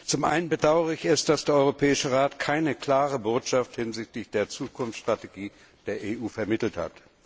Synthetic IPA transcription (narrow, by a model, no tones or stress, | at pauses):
t͡sʊmʔa̰ɪnənbədaʊəʁəɪçɛsd̥asd̥eːɐɔʏʁopʰɛːɪʃəʁaːtkʰaɪnəkl̥aːʁ̞əboːtʃafthɪnzɪçtlɪçd̥eːɐt͡suːkʰʊnft͡ssʃtʁ̥ateɡiː | d̥eːɐʔeːʔuːfɛɐmɪtl̩tha̰t